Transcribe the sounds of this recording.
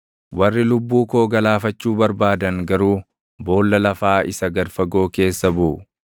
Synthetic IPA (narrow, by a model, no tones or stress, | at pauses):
wɐrːɪlʊbːuːko̞ːɡɐlaːfɐt͡ʃːuːbɐɾbaːd̪ɐŋɡɐɾuː | bo̞ːlːɐlɐfaːɪsɐɡɐɾfɐɡo̞ːke̞ːsːɐbʊʔʊ